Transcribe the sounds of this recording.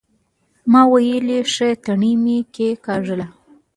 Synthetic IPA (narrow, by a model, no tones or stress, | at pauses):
mɑwajəliʂet̪aɳimikekɑʐəla